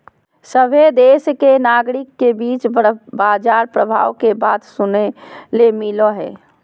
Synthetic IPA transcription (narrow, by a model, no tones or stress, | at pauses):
səbʱed̪eːskenaːɡɾɪkːebiːt͡ʃbaːd͡ʒaːɾpɾəbʱa̰ːʋkebaːt̪sʊnelemiloɦɛ̰ː